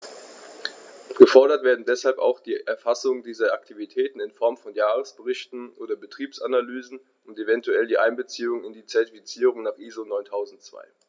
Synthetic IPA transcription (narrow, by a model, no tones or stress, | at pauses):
ɡ̥əfɔɐɾɐtv̥eːɐdn̩dɛshalpa̰ʊxd̥iːʔɛɐfasʊŋdiːzɐʔaktʰivitʰɛːtn̩ɪnfɔɐmfɔnjaːʁəsb̥əʁɪçtn̩ʔoːdɐbətʁ̥iːpsanalyːzn̩ | ʊntevɛntʰuɛldiːʔaɪnbət͡siːʊŋɪndiːt͡sɛɐtifit͡siːʁʊŋnaːχʔiːzonɔʏntʰaʊzn̩tt͡sv̥a̰ɪ